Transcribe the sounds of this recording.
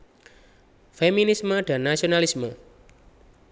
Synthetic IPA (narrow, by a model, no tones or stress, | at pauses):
feminisməɖ̪̥a̤nːasionalismə